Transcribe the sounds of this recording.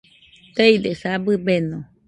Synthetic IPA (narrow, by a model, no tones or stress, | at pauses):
t̪eid̪esabɨbenõ